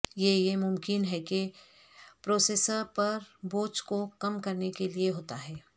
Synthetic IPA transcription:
jejemʊmkɪnɦɛke | pɾoːseːsəɾpɐɾboːt͡ʃkokɐmkɐɾnekelieɦoːt̪aɦɛː

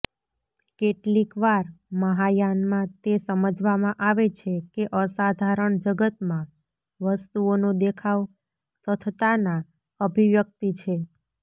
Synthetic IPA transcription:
keʈlikʋaɾməɦajanmãt̪esəməd͡ʒʱʋamãʔaʋet͡ʃʰekeʔəsad̪ʱaɾəɳd͡ʒəɡət̪mã | ʋəst̪uonod̪ekʰaʋ | t̪ʰət̪ʰət̪ana | əbʱiʋjək̚t̪it͡ʃʰe

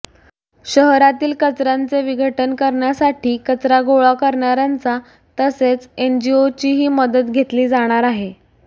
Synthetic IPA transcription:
ɕəɦɾat̪iːlkət͡sɾant͡seʋiɡəʈənkəɾɳjasaʈʰiːkət͡sɾaɡoɭakəɾɳjaɾant͡sa | t̪əset͡send͡ʑiot͡ɕiːɦiːməd̪ət̪ɡʱet̪liːd͡zaɽ̃aɾaɦe

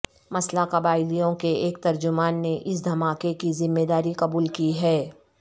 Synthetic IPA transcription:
mɐslaqɐbaːɪlijõkeeːk̚t̪ɐɾd͡ʒʊmaːnːeʔɪs̬d̪ʱɐmaːkekizɪmːeːd̪aːɾiqɐbuːlkiɦɛː

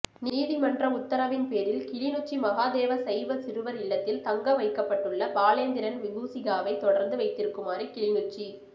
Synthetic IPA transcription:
niːðɪmɐndrɐʊt̪ːɐɾɐʋɪnpeːɾɪlkɪɭɪnɯt͡ʃːimɐɣaːðeːʋɐsɐjʋɐsɪɾɯʋɐɾɪɭːɐt̪ːɪlt̪ɐŋɡɐʋɐɪkːɐpːɐʈːɯɭːɐbaːleːnd̪ɪɾɐnʋɪɣuːsɪɣaːʋɐɪt̪ɔɽɐɾnd̪ɯʋɐɪt̪ːɪɾɯkːɯmaːɾikɪɭɪnɯt͡ʃːi

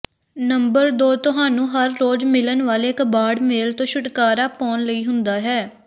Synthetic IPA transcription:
nəmbəɾd̪oːt̪ʊɦaːnũːɦəɾːoːd͡ʒmɪlənʋaːleːkbaːɖmeːlt̪õːʃʊʈkaːɾaːpɔːnləiːɦʊnd̪aːɦɛː

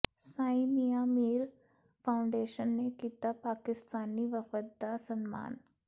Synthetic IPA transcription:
saːɪ̃mijaːmiːɾ | pʰaːʊ̃ɳɖeːʃənːekiːt̪apaːkɪst̪aːniʋəfət̪̚d̪asənma̰ːn

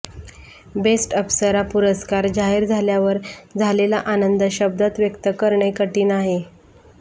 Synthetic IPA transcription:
besʈəpsəɾapuɾəskaɾd͡ʑaɦiɾd͡zʱaljaʋəɾd͡zʱalelaʔanənd̪əɕəb̚d̪at̪ʋjəkt̪əkəɾɳəjkəʈiːnaɦe

